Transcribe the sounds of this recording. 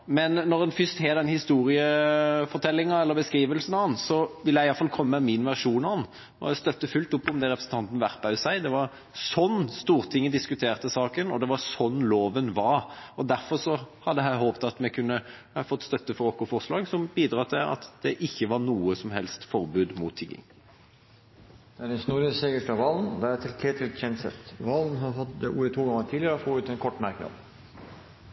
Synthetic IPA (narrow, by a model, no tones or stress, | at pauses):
mɛnːɔɾɛnfʏst̪heːd̪ɛnhɪst̪uːɾɪəfɔɾt̪ʰɛlːɪŋɑɛlːəɾbəskɾiːʋəlsənɑnsɔʋɪlːjæɪjɑlfɑlkʰɔmːəɛmɪnʋæɾʂuːnɑn | ɔ̰æst̪œt̪ːəfʉlt̪ʊpːɔmd̪ɛɾɛpɾəsn̩t̪ʰɑnt̪n̩ʋæʁpɑʉsæɪd̪ɛʋɑɾ | sɔnːst̪uːɾt̪ʰɪŋːəd̪ɪskʉt̪ʰeːʁt̪əsɑːkənɔ̰d̪ɛʋɑsɔnːloːʋənʋɑɾɔd̪æɾfɔɾʂɔhɑd̪ːəɦæɪɦhoːpt̪ɑt̪mɛkʰʉnːə | fɔt̪ːst̪œt̪ːəfɔɾokːʊfɔʁslɑːɡsɔmbiːd̪ʁɑːt̪ʰɪlɑ̰t̪d̪̥ɛʔɪçːəʋɑɾnuːəsɔmhɛlst̪fɔɾbʉːd̪mʊt̪ʰːɪɡɪ̰ŋ | d̪̥æɖɛnsnuɾəseːɡəʂʈɑʋɑːln̩d̪ææt̪ʰɪlkʰeːt̪ʰɪlçɛnsə̰t̪ʋɑːln̩ɦɑɾhɔt̪̚d̪ɛʔṵːɛt̪ʰuːɡɑŋːət̪ʰiːlɪəɾəɔfoːʉːt̪ɛnkʰɔʈːmæɾknɑ̰d̪